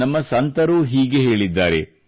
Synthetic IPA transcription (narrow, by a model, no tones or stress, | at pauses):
ɐmːɐsɐnt̪ɐɾuɦiːɡe̞ɦe̞ːɭid̪ːaːɾe̞